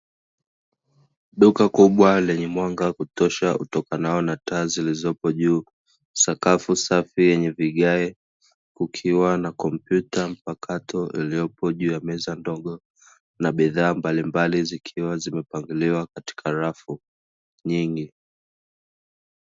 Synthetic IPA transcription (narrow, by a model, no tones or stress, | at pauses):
ɗukakuɓwalɛɲɛmwaŋɡakutɔʃaṵtɔkanaɔnataːzilizɔpɔʄuː | sakafusafijɛɲɛviɠaɛ | kukʰiwanakɔmpjutam̩pakʰatʰɔʔḭlijɔpɔʄuːjamɛzandɔɠɔ | naɓiðaːmbalimbalizikʰiwazimɛpaŋɡuliwakati̥kʰaɾafu | ɲiŋɡi